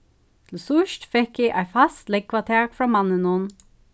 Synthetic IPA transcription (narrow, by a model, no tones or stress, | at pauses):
t̪ʰl̩sʊʃtfɛkjæʔæɪfɑst̪lɛɡ̚kʰʋɑt̪ʰæːɹfɹɑːmɑnənuːn